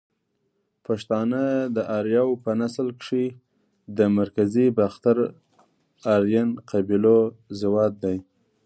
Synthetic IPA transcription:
paʂt̪ɑnəd̪əʔɑɾjɑwpənaslkʂi | d̪əmaɾkazibaxt̪aɾ | ɑɾjanqabilozɪwɑd̪̚ːaj

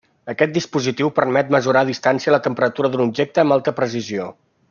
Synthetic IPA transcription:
əkɛt̪̚d̪ispuzit̪iwpərmɛt̪̚məzuɾaðist̪ansiələt̪əmpəɾət̪uɾəðunub̚ʒek̚t̪əːmbalˠt̪əpɾəs̬izio

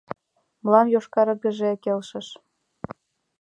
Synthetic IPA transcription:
mlɑmjoʃkɑɾɤ̆ɡə̆ʒekelʃə̆ʃ

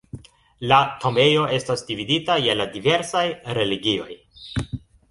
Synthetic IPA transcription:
latʰo̞me̞jo̞e̞stasdividitajeladive̞ɾsajɾe̞liɡio̞j

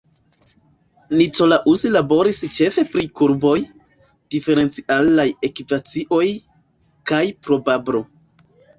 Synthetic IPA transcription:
nit͡so̞laʔusilabo̞ɾist͡ʃe̞fe̞pɾikuɾbo̞j | d̥ife̞ɾe̞nt͡siʔalaje̞kipat͡siʔo̞j | kajpɾo̞babɾo̞

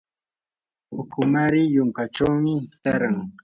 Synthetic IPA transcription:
ʊkʊmaɾɪjʊŋkaʈ͡ʂawmɪt̪aɾaŋ

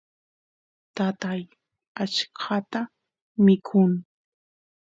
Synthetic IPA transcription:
t̪at̪aj | at͡ʃkʰat̪a | mɪkʰʊŋ

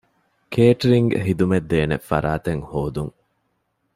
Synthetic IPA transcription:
kʰeːʈɾiŋɡḛɦid̪umed̪ːeːnḛfɐ̰ɾaːt̪eŋhoːd̪uŋ

